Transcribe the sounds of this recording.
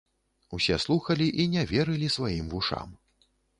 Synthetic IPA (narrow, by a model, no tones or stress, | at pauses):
usʲɛslˠuxɐlʲiʔinʲɛvʲɛɾɨlʲisvajimvuʂa̰m